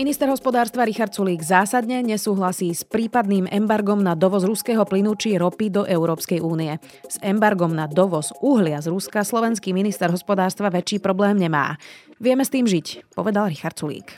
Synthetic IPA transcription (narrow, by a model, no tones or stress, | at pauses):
minist̪ɛɾɦɔspɔd̪aːɾst̪ʋaɾixaɾt̪t͡suliːɡzaːsad̪ɲɛɲɛsuːɦlasiːspɾiːpad̪̚niːmʔɛmbaɾɡɔmnad̪ɔʋɔzɾuskɛːɦɔplinut͡ʃiɾɔpid̪ɔʔɛʊɾɔːpskɛjuːniɛ | z̥ɛmbaɾɡɔmnad̪ɔʋɔzʔuɦlɪazɾuskaslɔʋɛnskiːminist̪ɛɾɦɔspɔd̪aːɾst̪ʋaʋɛt͡ʃiːpɾɔblɛːmɲɛma̰ːʋɪɛmɛst̪iːmʒicpɔʋɛd̪alɾixaɾt̪t͡sulḭːk